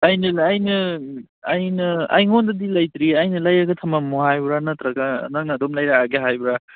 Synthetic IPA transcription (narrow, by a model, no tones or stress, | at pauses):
ajnɐːjnɐː | jnɐa̰jŋondɐdilajt̪ɾiajnɐlajaɡɐtʰɐmamuɦajbɾanɐt̪ɾɐɡa̰naŋnadomlajɾaːɡeɦajbɾa